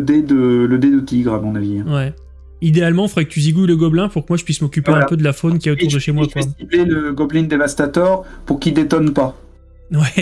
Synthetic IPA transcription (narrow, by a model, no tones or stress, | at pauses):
d̪ed̪ələd̪ed̪ət̪iɡʁamɔ̃navĩwɛ | id̪ealmɑ̃fəʁɛkət̪yziɡuləɡɔblɛ̃puʁkəmwaʒəpɥismɔkʲypeɛ̃pød̪əlafonkʲiɛotuʁd̪əʃemwak̪at̪ibleləɡɔblind̪evast̪at̪œʁpuʁkʲid̪et̪ɔnpa | wɛ